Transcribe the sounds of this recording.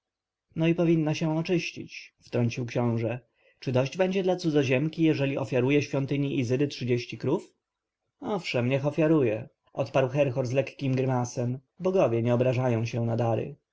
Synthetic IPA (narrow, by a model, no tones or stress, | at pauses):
nɔipɔvʲinːaɕɛ̃ɔt͡ʂɘɕt͡ɕḭt͡ɕft̪ɾɔɲt͡ɕiwkɕɔ̃w̃ʐɛ | t͡ʂɘd̪ɔʑd͡ʑbɛɲd͡ʑɛd̪lat̪sud̪zɔʑɛmkʲijɛʐɛlʲiʔɔfʲjaɾujɛɕfʲjɔnt̪ɘɲiʔizɘd̪ɘtʂɘd͡ʑeɕt͡ɕikɾuf | ɔfʂɛmɲɛxɔfʲjaɾujɛ | ʔɔt̪paɾwxɛɾxɔɾzlɛkkʲimɡɾɘmasɛm | bɔɡɔvʲjɛɲɛɔbɾaʐajɔ̃w̃ɕɛnad̪aɾɘ̰